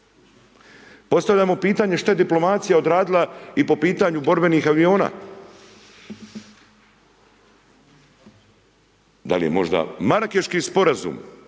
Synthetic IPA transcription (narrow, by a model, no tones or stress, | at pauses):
po̞st̪avʎamo̞piːt̪aːɲe̞ʃt̪ajed̪iplo̞mat̪sijaod̪ɾaːd̪ilˠaipo̞piːt̪aɲubo̞ɾbe̞niːxaʋio̞ːna̰ː | d̪a̰lije̞̰mo̞̰ʒd̪a̰maɾakeʃkispo̞ɾazṵm